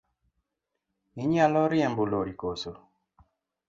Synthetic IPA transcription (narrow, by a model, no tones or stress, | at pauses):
niɲalɔɾjɛmbuloɾikoso